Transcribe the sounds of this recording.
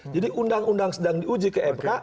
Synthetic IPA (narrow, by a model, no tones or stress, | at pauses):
d͡ʒadiʔundaŋundaŋsədaŋdiud͡ʒikəʔɛmka